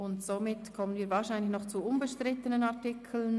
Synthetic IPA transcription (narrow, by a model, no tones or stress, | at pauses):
ʊntsomɪtkʰɔmənviːɐvaːɾʃaɪnlɪçnɔχt͡suʊnbəʃtɾɪtənənaʁtɪkʰl̩n